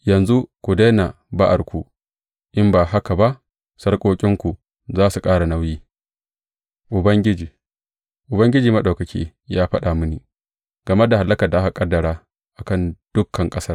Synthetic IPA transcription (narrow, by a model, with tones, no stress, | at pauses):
jɐ˨nzu˦kʷu˨de˦na˨ | ba˦ʔa˨rkʷu˨ | ʔɪ˦mbaː˨ɦa˦ka˨ba˦ʔ | sɐ˦rkʷʼoː˦kʲʼɪ˦ŋkʷu˨ | zaː˦su˨kʼaː˦ɽa˨na˦wjiː˦ | ʔʊ˨bɐ˦ŋɡʲɪ˦d͡ʒiː˨ | ʔʊ˨bɐ˦ŋɡʲɪ˦d͡ʒiː˨mɐ˦ɗa˨wkɐ˨kʰʲḭː˦ | jaː˦ɸɐ˦ɗa˨mʊ˦niː˨ | ɡ̥ɐ˨me˦da˨ɦa˨lːɐ˦kɐ˨rda˨ʔa˦ha˨kʼɐ˦dːɐ˨ɽaː˦ | ʔa˨kɐ˦˨nd̥ʊ˦kʰːɐ˨ŋkʼɐ˦sɐ˦r